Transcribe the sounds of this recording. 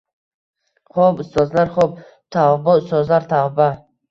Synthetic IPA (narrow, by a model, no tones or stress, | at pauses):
χɔbʊst̪ɔzlaɾχɔb̚ | t̪ʰavbaʊst̪ɔzlaɾt̪ʰavba